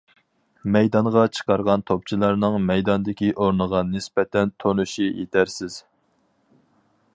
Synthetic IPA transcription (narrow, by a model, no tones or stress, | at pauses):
mɛjd̪ɑɴʁɑt͡ʃʰə̥qɑɾʁɑnt̪ʰop̚t͡ʃʰilˠɑɾnɨŋmɛjd̪ɑnd̪ɪkʲiʔoɾnəʁɑnɪspɛt̪ɛnt̪ʰonuʃijet̪ʰæɾsɪz̥